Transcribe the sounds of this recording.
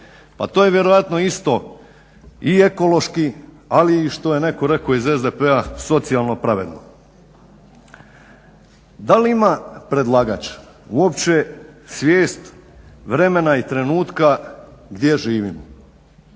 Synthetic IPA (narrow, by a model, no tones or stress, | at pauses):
pat̪oje̞ʋje̞ɾo̞ʋat̪no̞ist̪o̞ | ie̞ko̞lo̞ʃki | aliːʃt̪o̞jene̞ko̞ɾe̞ko̞izezd̪epeaso̞t̪sijalˠno̞pɾaʋe̞̰d̪no̰ | d̪aliimapɾe̞d̪lˠaːɡat͡ʃ | uopt͡ɕe̞sʋjeːst̪ʋɾe̞me̞nait̪ɾe̞nuːt̪kaɡd̪je̞ʒiːʋimo